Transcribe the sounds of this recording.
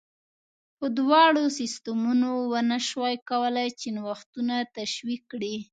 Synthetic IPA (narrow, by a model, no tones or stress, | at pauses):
pəd̪wɑɽosɪst̪amunowənaʃwajkawəlajt͡ʃɪnwaxt̪unat̪aʃwikːɽi